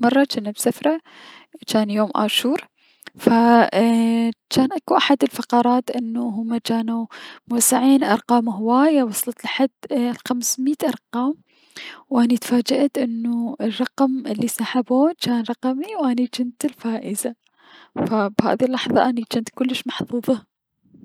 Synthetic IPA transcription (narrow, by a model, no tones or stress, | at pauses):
mɑrˤːɑt͡ʃanːabsafɾˤɑ | t͡ʃaːnjoːmʔa̰ːʃuːɾ | fa | t͡ʃaːnʔakuʔaħad̪ɪlfɑqɑɾˤɑːt̪ʔɪnːuɦʊmːat͡ʃaːnumʊsaʕiːnʔɑɾˤqɑːmɦɪwaːjawɑsˤlɑt̪laħad̪lxamsmiːt̪ʔɑɾˤqɑːm | wʔanit̪faːd͡ʒaʔat̪ʔɪnːuɪrˤːɑqmɪlːisaːħabuːt͡ʃaːnɾˤɑqɑmiwʔanit͡ʃɪnt̪ɪlfaːʔɪza | fabha̰ːðilːɑħðˤɑ̰ʔanit͡ʃɪnt̪kʊlːɪʃmɑħfuːðˤɑ